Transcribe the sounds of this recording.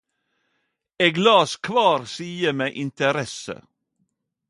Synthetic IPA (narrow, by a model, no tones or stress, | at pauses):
eːɡlɑːskʰʋɑːɾsiːəmeːʔɪnt̪əɾɛsə̰